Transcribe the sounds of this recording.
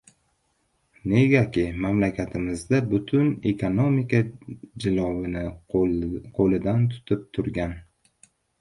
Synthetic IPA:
ne̞ɡʲakʲɪmamlakʲʰat̪ʰɪmɪzd̪abʊt̪ʰʊnekʰonomɪkad͡ʒɪlˠɒwɪnɪ | qʰolɪd̪ant̪ʰʊ̥t̪ʰɪp̚t̪ʰʊɾɡʲan

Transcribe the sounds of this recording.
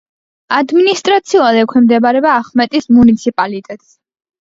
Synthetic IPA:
ad̪minist̪ʼɾat̪sʰiulad̪ɛkʷʰwɛmd̪ɛbaɾɛbaːχmɛt̪ʼismunit̪sʰipʼalit̪ʼɛt̪ʼs

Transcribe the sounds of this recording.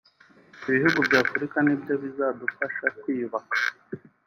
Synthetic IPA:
iβihuɡubɟaːfuɾikanibɟo̞βizadufaʃakwiːβakḁ

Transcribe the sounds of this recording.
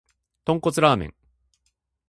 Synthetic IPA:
t̪õ̞ŋko̞t͡sɨɾaːmḛ̃ŋ

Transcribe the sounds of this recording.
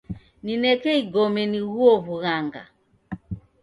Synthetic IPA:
ninɛkɛiɡɔmɛniɣuɔvuɣaŋɡa̰

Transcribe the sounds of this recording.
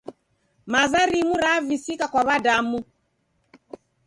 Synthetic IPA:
mazaɾimuɾavisikakwaβadamu

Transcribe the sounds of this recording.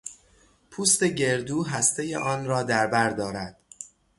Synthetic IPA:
pʰuːst̪e̞ɟe̞ɾd̪uːɦæst̪e̞jḛʔɒːnrɒːd̪æɾbæɾd̪ɒːɾæd̪̥

